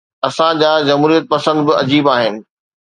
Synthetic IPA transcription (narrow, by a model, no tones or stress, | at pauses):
ɐsãd͡ʑaːd͡ʑɐmɦuːɾijət̪̚pɐsə̃nd̪bɪɐ̰d͡ʑiːbaːɦɪnɪ̆